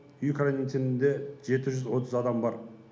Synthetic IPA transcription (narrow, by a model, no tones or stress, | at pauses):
ʏjkʰɾonit̪ʰenɪnd̪e̞ʒe̞t̪ɪʒʏzwo̞t̪ʰəzɑd̪ɑmbɑɾ